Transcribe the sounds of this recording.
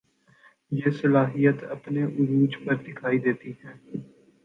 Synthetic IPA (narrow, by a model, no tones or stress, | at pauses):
jeːsɐlaːɦijət̪ɐpneʔʊɾuːd͡ʒpɐɾɖ̪ɪkʰaːid̪eːt̪iɦɛ̃ː